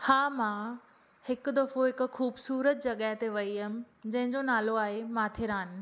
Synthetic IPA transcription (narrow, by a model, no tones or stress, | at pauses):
haːmãː | hɪkd̪ɐfoɦɪkʊ̆xuːbsuːɾət̪d͡ʑɐɠəɦt̪eʋɐiɦəmɪ̆ | d͡ʑɐ̃ɦɪ̃ɲd͡ʑonaːloaːɦemãːt̪ʰɪɾaːnɪ̆